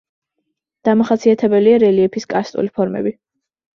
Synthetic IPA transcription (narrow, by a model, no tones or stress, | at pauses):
d̪̥amaχat̪sʰiat̪ʰɛbɛliaɾɛliɛpʰiskʼast̪ʼṵlipʰɔɾmɛ̰bi